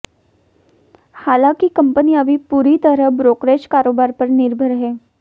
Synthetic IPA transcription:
haːlãːkikɐ̃mpəniɐbʱipuːɾit̪əɾəɦbɾoːkɾeːʃkaːɾoːbaːɾpɐɾnɪɾbʱəɾɦɛː

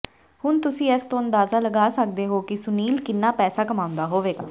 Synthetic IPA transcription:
hʊnt̪ʊsĩːɛːst̪õːənd̪aːzaːləɡaːsək̚d̪eːɦoːkɪsʊniːlkɪnːaːpɛːsaːkəmaːʊ̃nd̪aːɦoːʋeːɡaː

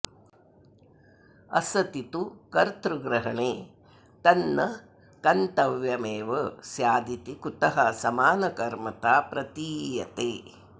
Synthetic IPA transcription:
ɐ̰sɐt̪it̪ukɐɾt̪ɾuɡɾɐɦɐɳeː | t̪ɐnːɐ | kɐnt̪ɐʋjɐmeːʋɐsjaːd̪it̪ikut̪ɐɦɐsɐmaːnɐkɐɾmɐt̪aːpɾɐt̪iːjɐ̰t̪eː

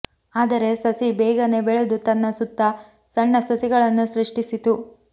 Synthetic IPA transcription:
aːd̪ɐɾe̞sɐsibɛːɡɐne̞beɭed̪ut̪ɐnːɐsut̪ːɐ | sɐɳːɐsɐsiɡɐɭɐnːusɾiʂʈisit̪u

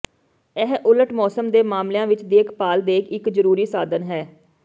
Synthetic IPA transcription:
ɛɦʔʊləʈmɔːsəmd̪eːmaːmlejãːʋɪt͡ʃd̪eːkʰpaːld̪eːkʰɪkzəɾuːɾiːsaːd̪ənɦɛː

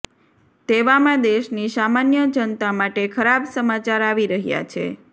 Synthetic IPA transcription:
t̪eʋamãd̪eʃnisamanjəd͡ʒənt̪amaʈekʰəɾabsəmat͡ʃaɾaʋiɾəɦja̰t͡ʃʰḛ

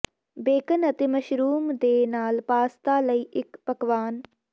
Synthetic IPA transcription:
beːkənɐt̪emɐʃɾuːmd̪eːnaːlpaːst̪aːlɐiːʔɪkpɐkʋaːn

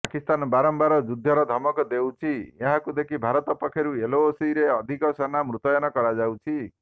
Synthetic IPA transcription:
pakist̪anɔbaɾɔmbaɾɔd͡ʒud̪ʱːɔɾɔd̪ʱɔmɔkɔd̪ewt͡ʃʰieɦãkud̪ekʰibʱaɾɔt̪ɔpɔkʰːjɔɾueloːsiɾeɔd̪ʱikɔsanamɾut̪ɔjɔnɔkɔɾad͡ʒawt͡ʃʰi

